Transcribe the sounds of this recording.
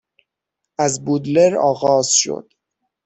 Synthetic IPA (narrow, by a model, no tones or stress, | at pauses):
ʔæzbud̪leɾɒ̰ːɣɒːz̥ʃo̰d̪̥